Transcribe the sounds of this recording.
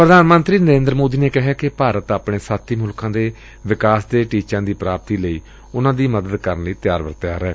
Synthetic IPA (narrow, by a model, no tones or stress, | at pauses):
pɾəd̪aːnmənt̪ɾiːnəɾẽːnd̪ɾmoːd̪iːneːkɪɦaːkɪpaːɾət̪aːpɳeːsaːt̪ʰiːmʊlkãːd̪eː | ʋɪkaːsd̪eːʈiːt͡ʃãːd̪iːpɾaːp̚t̪iːləiː | ʊnãːd̪iːməd̪əd̪kəɾənləiːt̪ɪjaːɾʋə̰ɾt̪jaːɾɛː